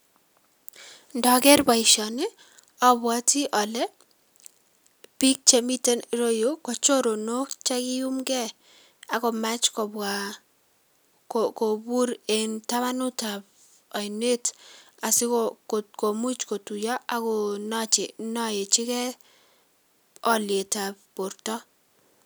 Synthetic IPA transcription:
ndɔ˨ɡɛ˦ɾba˨ɪ˨ʃɔ˨nɪ˦ | ɔ˨bwa˦ti˦ʔɔ˨lɛ˦ | pi˦k̚t͡ʃe˨mi˦te˦n˨ɾo˦jo˦kɔ˨t͡ʃo˦ɾo˨no˦kt͡ʃɛ˦kɪ˦ju˦mɡɛ˦ | a˨kɔ˨ma˦t͡ʃkɔ˨ba | kko˨bu˦ɾe˨nta˦ma˦nʊ˦ta˨b | ɔ˨jne˦t | a˨sɪ˦kɔ˦ktko˨mu˦t͡ʃko˨tu˨jɔ˦ʔa˨˦kɔ˦nɔ˦t͡ʃɪ˨nɔ˦je˨t͡ʃɪ˦kɛ˦ | ɔ˦lɪe˨ta˨bb̥o˨ɾtɔ˦

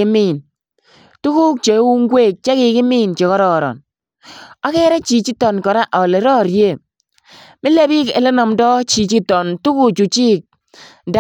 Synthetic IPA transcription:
ɪ˦mi˦˨n | tu˦ku˦k̚t͡ʃe˨˦wu˦ŋ˦ɡwe˦˨k̚t͡ʃɛ˦kɪ˨kɪ˦mi˦nt͡ʃe˨kɔ˦ɾɔ˨ɾɔ̰˨n | ɔ˦kɛ˦ɾɛ˦t͡ʃi˨t͡ʃi˦tɔ˨nkɔ˨ɾa˦ʔɔ˨le˨ɾɔ˦˨ɾje˦˨ | mɪ˦le˦bɪ˦kḛ˨le˦nɔ˨mdɔ˦t͡ʃi˨t͡ʃi˦tɔ˨ntu˦ku˨t͡ʃu˨t͡ʃi˦k̚ | da˦

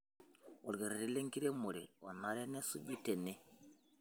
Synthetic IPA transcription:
wɔ˨lɡe˨ɾe˨ɾi˦le˦ŋki˦ɾe˦mo˨ɾɛ˨ɔ˨na˨ɾe˦ne˦sṵ˦ɟi˦te˨ne˦

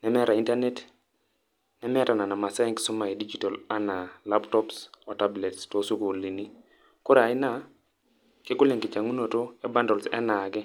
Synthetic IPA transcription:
nɛ˦mɛ˦ɾa˨i˦nta˦ne˦t | nɛ˦mɛ˦ta˨na˨na˨ma˨sa˦i˦ŋksʊ˦ma˨i˨di˦d͡ʒi˨tɔ˨la˦na˨la˦ptɔ˦psɔ˨ta˦ble˨tsto˦su˦ko˨li˨ni˦ | ko˦ɾa˨ɪ˦na˦ | kɪ˦ku˦le˨ŋkɪ˨t͡ʃa˨ŋu˦no˨to˦ɛ˦ba˦ndɔ˨lsɛ̰˦na˨kɛ˦

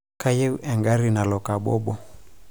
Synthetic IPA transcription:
ka˦je˦u˦ʔɛ˨ŋɡa˦ɾi˦na˨lɔ˨ka˨ɓɔ̰˦ɓɔ˦

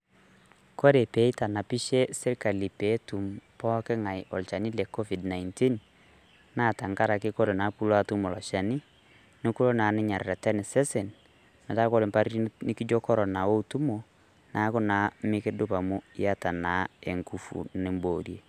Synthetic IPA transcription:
kɔ˦ɾe˨pɛ˨˦i˦ta˨na˨pi˦ʃɛ˦sɛ˦ɾka˨li˨pɛ˨˦tu˨mpɔ˦kɛ˦ŋa˨i˨ʔɔ˨lt͡ʃa˨ni˦la˨kɔ˦vi˨dna˨inti˦n | na˦˨ta˨ŋɡa˦ɾa˨ke˦kɔ˦ɾe˨na˨˦pu˦la˦tu˦mo˨lɔ˨ʃa˨ni˦ | ne˦ku˦lo˦na˨ne˦ɲa˨ɾeɾa˨tɛ˦ne˨sɛ˦sɛ˨n | ma˨ta˦kɔ˦ɾe˨mpa˦ɾi˦i˦nɪ˦ki˦d͡ʒɔ˦kɔ˦ɾɔ˨na˨wo˦utu˦mo˨ | nʔa˨˦ko˦na˨˦me˦ke˦do˦pa˨mo˦i˦a˦ta˨na˨e˨ŋɡu˨fṵ˨ne˨mbo˨ɾje˨

